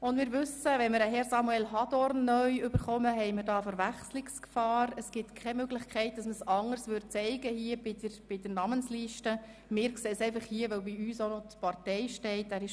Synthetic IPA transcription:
ʊndmɪːɾʋʏsəʋɛnməɾəɦɛɾsɑmuɛlɦɑdɔɾnːœʏʏb̥əɾχɔməɦɛɪmɪɾdɑːfəɾʋæχslɪkskfɑːɾəsɡ̥ɪtkʰɛmøɡlɪxkʰɛɪt̚d̥ɑsməsɑŋəɾsʋʏɾt̚t͡sɛɪɡəhiːəbɪdəb̥ɪd̥ənɑmənsliːʃtə | mɪːɾkseːsɛɪfɑχhiːəʋœwbiyːsonɔt̪pɑrtɛɪʃtɛɪtæːɾɪʃ

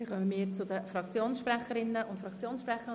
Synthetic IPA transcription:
ɪχœməmiːɾt͡sʊd̪əfɾɑkt͡sjoːnsʃpɾæχəɾɪnːəʊntfɾɑkt͡sjoːnsʃpɾɛχə

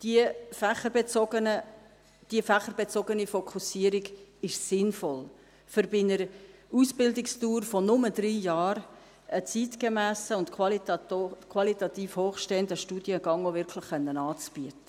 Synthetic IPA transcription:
d̥iəfæχəɾbet͡sɔɡənə | d̥iəfæχəɾbɛt͡sɔɡənifɔkʰusiəɾiɡɪʃsɪnfɔl | fʏɾbɪnəɾəusb̥ɪldɪkstuːɾfɔnʊmədriːjɑːɾ | ət͡sitkəmæːsəʊntkʰɑl | kʰwɑlit̪ɑt̪iːfhoːχʃteəndəʃtuːd̥jəɡ̥ɑŋovɪɾkʰləχːœnːənɑːt͡sb̥iətə̥

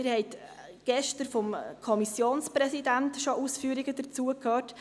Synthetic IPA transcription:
ɪɾhɛɪt | ɡ̥ɛʃtəɾfɔmkʰɔmisjoːnspɾɛsidæntʃoʔuːsfyːəɾiɡəd̥ət͡suːəkʰøːt

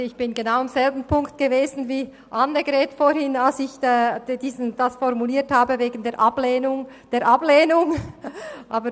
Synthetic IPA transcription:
ɪçb̥ɪnɡenaʊamz̥ɛlbn̩pʰʊŋktɡ̥eveːzn̩viː | ʔanːəɡɾɛːtfoɾhɪnalsɪçɛd̥iːznd̥asfɔʁmuliːthaːbəveːɡn̩deːʔableːnʊŋ | d̥eːɐʔableːnʊŋ | ʔaːbə

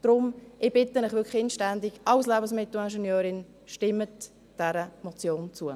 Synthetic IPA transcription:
d̥ɾʊmɪb̥ɪtənɪχvɪkχɪnʃtɛndiɡɑlslɛːbənsmɪtl̩ɛnʃɛnjøːɾɪn | ʃtɪmːət | d̥ɛɾəmɔt͡sjoːnt͡suə

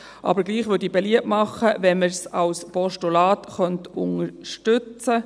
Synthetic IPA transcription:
ʔɑ̰bəɾɡliːχʋʏdibeliəpmɑχːəʋɛnməɾsɑlspɔʃtulɑːtχœntʊŋəɾʃtʏt͡sə

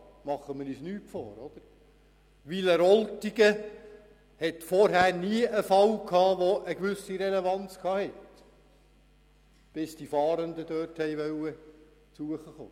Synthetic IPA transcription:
mɑχːəməɾyːsnyːtfo̰ːɾɔd̪̥əɾ | ʋiləɾɔltiɡə | hɛtfɔɾɦæːɾniəʔəfɑwkʰɑːʋoʔəɡʋʏsiɾelevɑnt͡skʰɑːhɛt | b̥ɪsd̥ifɑːɾənd̪ədœːrthɛjʋœwə | t͡suəχəχo̰ː

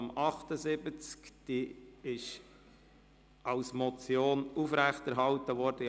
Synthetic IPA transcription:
mɑχt̪əzɪbət͡skd̥iɪʃ | ɑlsmɔt͡sjoːnufɾæχtɛɾɦɑltəʋɔɾd̥ə

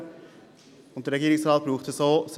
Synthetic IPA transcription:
ʊnt̚dəɾɛɡiːɾɪŋsɾɑːt̪̚b̥ɾuːχt̪əsoːs

